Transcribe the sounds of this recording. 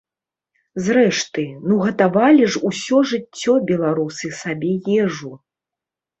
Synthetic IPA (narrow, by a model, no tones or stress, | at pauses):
zɾɛʂt̪ɨnuɣɐt̪avalʲiʐusʲɔʐɨt͡sʲːɔbʲɛlˠaɾusɨsabʲɛjɛʐu